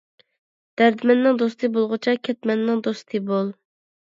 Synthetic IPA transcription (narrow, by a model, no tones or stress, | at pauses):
d̪̥æɾd̪ɪmɛnːɪŋd̪ost̪ʰɨbolˠʁʊt͡ʃʰɛkʲʰɛt̪̚mɛnːɪŋd̪ost̪ʰɨbolˠ